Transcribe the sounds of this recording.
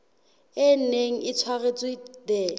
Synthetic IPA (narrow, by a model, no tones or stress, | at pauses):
ɪn̩neŋ̩ɪt͡sʰwaɣet͡sʼwɪdɛ